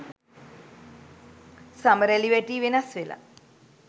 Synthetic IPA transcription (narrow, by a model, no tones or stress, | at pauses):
sɐməɾeliʋeʈiːʋinasʋela̰